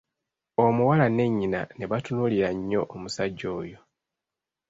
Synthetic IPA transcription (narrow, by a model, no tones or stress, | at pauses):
omuwalane̞ɲːina̰ne̞βatunuliɾaɲːo̞ʔːmusaɟːo̞ːjo̞